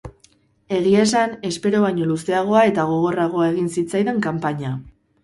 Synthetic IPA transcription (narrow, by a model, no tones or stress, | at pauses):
e̞ɣie̞sane̞spe̞ɾo̞βaɲo̞luse̞aɣ̞o̞ae̞t̪aɣ̞o̞ɣ̞o̞raɣ̞o̞ae̞ɣ̞insit͡sajðe̞ŋkampaɲa